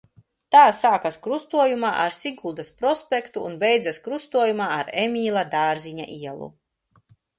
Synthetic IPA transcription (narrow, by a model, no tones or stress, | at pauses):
t̪aːsaːkaskɾust̪uɔjumaːʔaɾsiɡulˠd̪aspɾɔspʲɛkt̪uːnbɛjd̪zaskɾust̪uɔjumaːaɾemʲiːlˠad̪aːɾzʲiɲa̰ʔiɛlˠṵ